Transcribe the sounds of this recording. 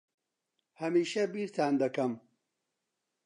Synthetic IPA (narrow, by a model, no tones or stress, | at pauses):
hɐmiːʃɐbiːɾt̪ʰaːnd̪ɐkɐm